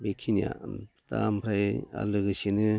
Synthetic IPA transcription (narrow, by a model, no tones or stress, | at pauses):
bekʰinija̰ta̰mpʰɾaja̰lɯɡɯsenɯ